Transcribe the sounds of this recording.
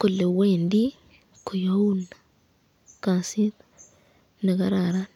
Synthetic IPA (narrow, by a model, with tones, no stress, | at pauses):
ku˨le˨weː˨ndi˦ | ku˨jo˦u˦na | kansi˦t | ne˨ka˦ɾaɾa